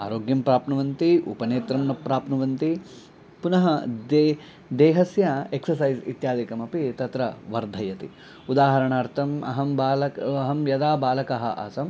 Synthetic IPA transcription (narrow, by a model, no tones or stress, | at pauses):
a̰ːɾoːɡjɐmpɾaːpnɐʋɐnt̪iṵpɐneːt̪ɾɐmnɐpɾaːpnɐʋɐnt̪i | punɐɦɐd̪ | d̪eːɦɐsjɐeksɐɾsɐjzḭt̪jaːd̪ikɐmɐpit̪ɐt̪ɾɐʋɐɾd̪ʱɐjɐt̪i | ud̪aːɦɐɾɐɳaːɾt̪ʰɐmɐ̰ɦɐmbaːlɐkɐɦɐmjɐd̪aːbaːlɐkɐɦɐ̰ʔɐ̰sɐm